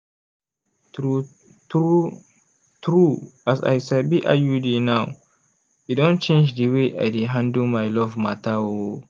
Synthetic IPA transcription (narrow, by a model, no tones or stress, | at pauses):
u | tu | tɾuasa̰jsabiʔa̰judinaw | idɔ̃nt͡ʃẽnd͡ʒdiweʔa̰jdeɦãndumajlɔvmatawo